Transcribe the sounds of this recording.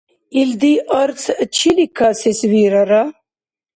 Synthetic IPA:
ild̪iʔɔɾt͡sʰt͡ʃʰilikʰasisviɾaɾa

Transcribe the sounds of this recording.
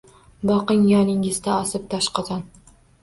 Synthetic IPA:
bɒqɨŋjɒnɪŋʲɪzd̪aɒsɪp̚t̪ʰaʃqɑzɑn

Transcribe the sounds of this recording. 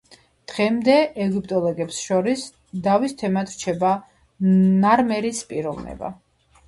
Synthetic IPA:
d̪̥ʁɛmd̪ɛɛɡip̚ʼt̪ʼɔlˠɔɡɛpsʃɔɾis | d̪avist̪ʰɛmat̪ɾt͡ʃʰɛba | naɾmɛɾispʼiɾɔvnɛ̰ba̰

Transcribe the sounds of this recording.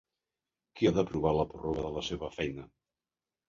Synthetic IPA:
kiaðəpɾuβaləpuroβəðələseβəfɛjnə

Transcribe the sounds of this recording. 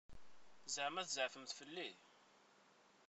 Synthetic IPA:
zəʕmæθzəʕfəmt̪fəlːi

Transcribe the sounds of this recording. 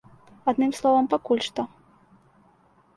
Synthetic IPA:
ad̪nɨmslˠɔvɐmpakulʲʂt̪ɔ

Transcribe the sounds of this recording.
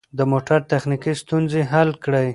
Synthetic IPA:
d̪əmoʈaɾt̪axnikist̪unzeɦalkɽəj

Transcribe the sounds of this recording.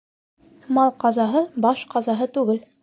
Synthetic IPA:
mɑlˠqɑzɑɦɤbɑʃqɑzɑɦɤt̪ʉɡɘl

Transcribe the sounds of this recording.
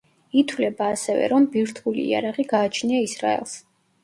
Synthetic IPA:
it̪ʰwlɛbaːsɛvɛ̰ɾɔmbiɾt̪ʰulḭːa̰ɾaʁiɡaːt͡ʃʰniaisɾa̰ɛ̰lˠs

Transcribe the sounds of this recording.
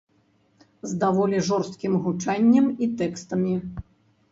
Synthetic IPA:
zd̪avɔlʲiʐɔrst̪̚kʲimɣut͡ʂanʲːɐmit̪ɛkst̪ɐmʲi

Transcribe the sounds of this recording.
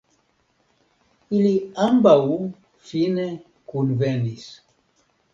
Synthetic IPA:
iliambau | fine | kunvɛnis

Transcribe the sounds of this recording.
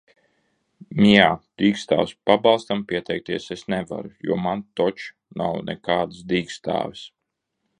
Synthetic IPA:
mʲiaːd̪̥iːkst̪a̰ːwspabɑlˠst̪ampʲiɛt̪ɛjk̚t̪iɛsesnɛva̰ɾujṵɔːmant̪ɔt͡ʃ | na̰wnɛ̰kaːd̪ɨsd̪iːkst̪a̰ːvis

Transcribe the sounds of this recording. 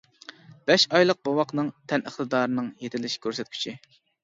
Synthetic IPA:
b̥ɛʃɑjlˠəq̚bɑwɑqnɨŋt̪ʰɛnəχt̪ɨd̪ɑːɾɨnɨŋjet̪ʰɪlɪʃkʲʰøɾsɛt̪kʲʰy̥t͡ʃʰi

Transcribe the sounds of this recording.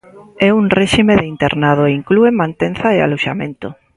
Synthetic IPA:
ɛuŋreʃimeðeint̪ḛɾnað̞oeiŋkluemãnt̪enθaea̰loʃamẽnt̪ʊ

